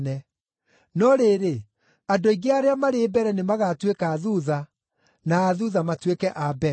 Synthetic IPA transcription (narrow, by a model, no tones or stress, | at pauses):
nɛ | nɔɾeːɾe | adoiɣeaɾeamaɾeːbɛɾɛnemaɣatwekaːðuða | naːðuðamatwekɛʔabɛ